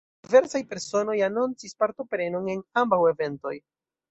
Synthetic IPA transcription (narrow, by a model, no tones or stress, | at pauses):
ive̞ɾsajpe̞ɾso̞no̞janunt͡sispaɾto̞pɾe̞none̞nambawe̞ve̞nto̞̰j